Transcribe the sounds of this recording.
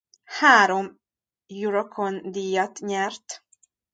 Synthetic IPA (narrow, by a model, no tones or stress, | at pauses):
haːɾo̞m | juɾokʰond̪ijːɒt̪ɲɛrt̪